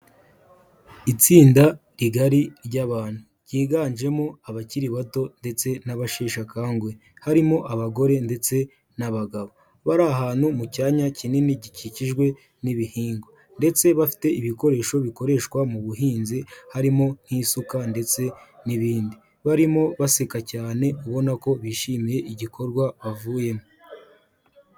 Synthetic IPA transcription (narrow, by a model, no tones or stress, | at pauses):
it͡siːndaɾiɡaɾiɾɟaβaːn̥hu | ɟiːɡaːɲʒe̞mo̞aβaciɾiβato̞nde̞t͡se̞naβaʃeːʃakaːŋɡwe | haɾimo̞ʔaβaɡo̞ɾe̞nde̞t͡se̞ | naβaɡaβo̞ | βaɾaɦaːn̥humucaːɲacininiɟiciciʒɡwe̞ | niβihiːŋɡo | nde̞t͡se̞βafi̥te̞iβiko̞ɾe̞ːʃo̞βiko̞ɾe̞ːʃkwamuβuɦiːnzihaɾimo̞n̥hiːsukande̞t͡se̞niβiːndi | βaɾimo̞βasekacaːne̞uβo̞nako̞βiʃimije̞ʔiɟikʰo̞ɾɡwaβavuːjemo